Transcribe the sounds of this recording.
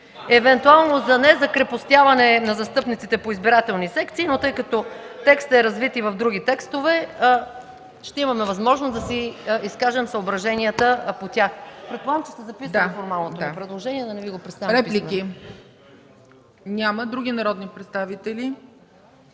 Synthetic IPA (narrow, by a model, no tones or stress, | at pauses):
ɛvɛnt̪ualˠnozɐnɛzɐkɾɛpost̪javɐnɛnɐzɐst̪ɤpnit̪sit̪ɛpoizbiɾat̪ɛlˠnisɛkt̪siːnot̪ɤjkɐt̪ɔt̪ɛkst̪ɛɾɐzvit̪ivɐvd̪ɾuɡ̟it̪ɛkst̪ovɛ | ʃt̪ɛimɐmɛvɐzmɔʒnosd̪ɐsiiskaʒɛmsəobɾɐʒɛniət̪əpot̪ʲaxpɾɛt̪̚polˠamt͡ʃɛ̥st̪ɛzɐpisafoɾmalˠnotd̪oapɾɛd̪lˠoʒɛniɛd̪ɐnɛviɡopɾɛt̪st̪aɐɾɛiliki | nʲaməd̪ɾuɡinɐɾɔd̪nipɾɛt̪st̪avit̪ɛli